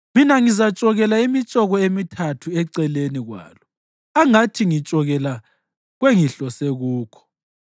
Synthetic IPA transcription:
minaŋizat͡ʃʼɔɣɛlaimit͡ʃʼɔɣɔemitʰatʰuɛǀɛleniɣwa̰ːlɔ | aŋatʰiŋit͡ʃʼɔɣɛla | ɣweŋiɬɔseɣuːkʰɔ̥

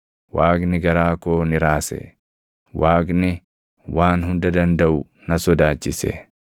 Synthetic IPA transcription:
waːɡnɪɡɐɾaːkoːnɪɾaːsɛ̰ | waːɡnɪ | waːnhʊnd̪ɐd̪ɐnd̪ɐʔʊ | nɐsɔd̪aːt͡ʃːɪsɛ̰

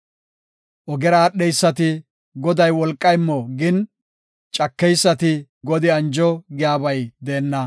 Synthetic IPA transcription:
ʔɔɡɛɾaːɗːɛjsːɐt̪ɪ | ɡɔd̪ɐjwɔlkʼːɐjmːɔɡɪn | t͡ʃʼɐkːɛjsːɐt̪ɪ | ɡɔd̪ɪɐnd͡ʒɔɡɪjaːbɐjd̪eːnːɐ

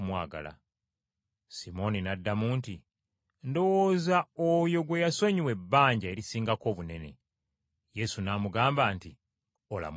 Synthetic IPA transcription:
mwaːɡa̰la̰ | simo̞ninadːamuːnti | ndo̞woːzaojo̞ɡwe̞jasoɲiwe̞bːaːɲɟae̞ɾisiːŋɡako̞ːβune̞ne̞̰ | je̞sunaːmuɡaːmbaːnti | ola̰m

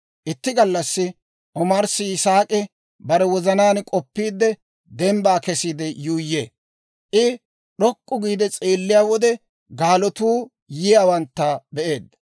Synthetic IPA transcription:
ʔɪt̪ːɪɡɐlːɐsːɪ | ʔɔmɐɾsɪsaːkʼɪ | bɐɾɛwɔzɐnaːnkʼɔpːiːd̪ːɛ | d̪ɛmbaːkɛsiːd̪ɛjuːjːḛː | ʔɪ | ɗɔkʼːʊɡiːd̪ɛt͡sʼeːlːɪjaːwɔd̪ɛ | ɡaːlɔt̪uː | jɪjaːwɐnt̪ːɐbɛʔe̞ːd̪ːɐ

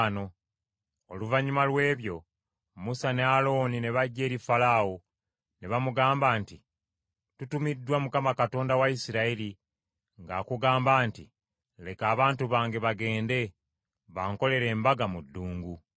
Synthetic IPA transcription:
no̞ | oluvaɲumalwe̞ːβjo̞ | musane̞alo̞ːnine̞βaɟːe̞ːɾifalawo | neβamuɡaːmbaːnti | tutumidːwamukamakato̞ːndawaisiɾaiɾi | ŋɡaːkuɡaːmbaːnti | le̞kaːβaːntuβaːŋɡe̞βaɡe̞ːnde̞ | βaːŋko̞le̞ɾe̞ːmbaɡamudːuːŋɡu

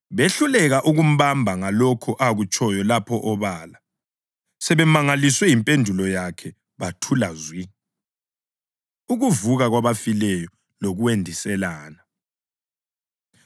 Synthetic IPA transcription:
βeɬulɛɣaʔuɣum̩βambʱaŋalɔkʰɔʔaɣut͡ʃʼɔjɔlapʰɔʔɔβaːla | sɛβɛmaŋaliswɛimpʼendʱulɔjakʰɛ | βatʰulazwi | uɣuvuɣaɣwaβafilɛjɔ | loɣuwendʱisɛlaːna

